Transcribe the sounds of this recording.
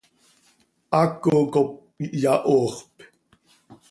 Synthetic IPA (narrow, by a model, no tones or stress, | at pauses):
ʔakːokop̚ | jaʔoːχp